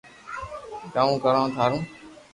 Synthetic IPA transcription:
d͡ʒaːũːkəɾãːt̪ʰaːɾũː

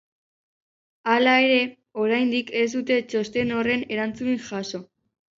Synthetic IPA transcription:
alae̞ɾe̞ | o̞ɾajnd̪ike̞zd̪ut̪e̞t͡ʃo̞st̪e̞no̞re̞ne̞ɾant͡suiŋxaso̞

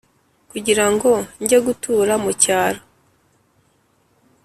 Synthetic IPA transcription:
kuɟiɾaŋɡo̞ɲɟeɡutʰuːɾamucaːɾo

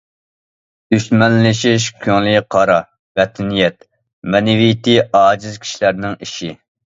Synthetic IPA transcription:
ysmɛlːɪʃiʃkʲʰøŋliqʰɑɾɑ | bɛt̪ʰɪnijɛt̪ | mɛnɪvijt̪iɑːd͡ʒɪzkʲʰi̥ʃilæɾnɪŋiʃi

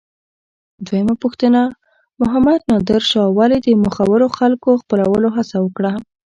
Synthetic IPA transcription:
d̪wejəmapuxt̪əna | mʊɦamad̪nɑd̪ɪɾʃɑwɑlid̪əmʊxawəɾoxalkoxpəlawəloɦasawəkɽa

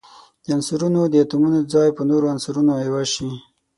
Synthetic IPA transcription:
d̪̥əansuɾunod̪əjat̪umunod̪əd͡zɑjpənoɾoansuɾunoewaʃi

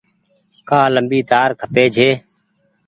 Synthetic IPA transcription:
kaːləmbiːt̪aːɾkʰəpeːd͡ʒʱeː

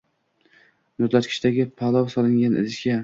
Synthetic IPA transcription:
not̪lat̪kʲʰɪ̥ʃt̪aɡʲɪpʰalˠɒwsɒlˠɪŋɡʲanɪ̰lɪʃkʲa

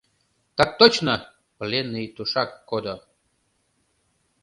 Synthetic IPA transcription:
t̪ak̚t̪ot͡ɕnə | plʲenːɨjt̪uʃakːod̪o

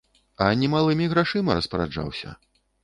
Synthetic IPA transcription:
ɐnʲɛmalˠɨmʲiɣɾaʂɨmɐɾɐspɐɾa̰d͡ʐa̰wsʲɐ̰

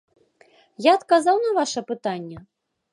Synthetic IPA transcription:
jaːt̪kazawnɐvaʂɐpɨt̪anʲːɛ

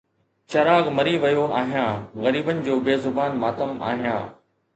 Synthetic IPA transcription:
t͡ɕɐɾaːɣmɐɾiʋɐjoaːɦijãːɣɐɾiːbənɪ̆d͡ʑoːbeːzʊbaːnmaːt̪əma̰ːɦijã̰ː

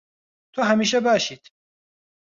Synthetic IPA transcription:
t̪ʰoɦamiːʃ̬ɛbaːʃiːt̪ʰ

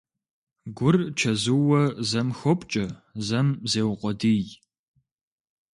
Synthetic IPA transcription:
ɡʷʊrt͡ʃʰɐzɨwɐzɐmxɔpʼt͡ʃʼɐzɐmzeːwqʷɔdij

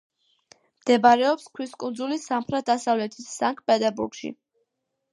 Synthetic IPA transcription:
md̪̥ɛbaɾɛɔpskʰwiskʼund̪zulisamχɾɛt̪̚d̪asavlɛt̪ʰisːaŋkʰʼpʼɛd̪ʼɛɾbuɾɡʃḭ

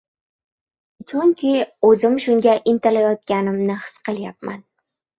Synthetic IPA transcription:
t͡ʃʰʊŋkʲiɵzɪmʃʊŋɡʲaʔɪnt̪ɪlajɒt̪̚kʲanɪmnɪhɨ̥sqɨlˠjap̚ma̰n

